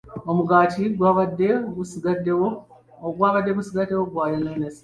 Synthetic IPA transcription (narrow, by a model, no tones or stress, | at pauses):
omuɡaːtʰiɡwaβadeβusiɡadeo | oɡwaːβadːeβusiɡatewoɡwaːjenenes